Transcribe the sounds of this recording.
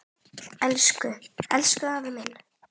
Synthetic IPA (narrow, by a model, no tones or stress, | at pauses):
ɛlskʏɛ̰lskʏavɪmɪn